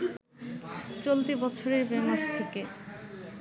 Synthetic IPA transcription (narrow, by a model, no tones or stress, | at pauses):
t͡ɕolt̪ibɔt͡ɕʰoɾeɾbemaʃt̪ʰeke